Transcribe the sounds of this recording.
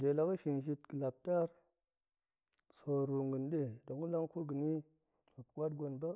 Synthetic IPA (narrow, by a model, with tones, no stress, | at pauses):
de˨la˨˦ka˦ʃi˨nʒi˦tkə˨la˨p̚ta˦ɾ | so˨ɾu˨ŋɡə˨nɗe˦do˨ŋu˦la˦ŋku˦ɡə˨ni˦ | ma˨pkʷa˦t̚ɡo˨nba˦